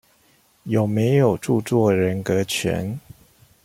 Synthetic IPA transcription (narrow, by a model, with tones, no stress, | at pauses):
jo˨˩ʊme˧˦ɪjo˨˩ʊʈ͡ʂu˥˧t͡swɔ˥˨ɻə˧˦nkə˧˦t͡ɕʰɥɛ̰˧˦n